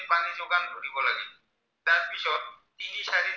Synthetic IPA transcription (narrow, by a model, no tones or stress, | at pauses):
panid͡ʑoɡankoɾibolaɡe | t̪aɾbiʃɔt̪iniʃaɾiɾ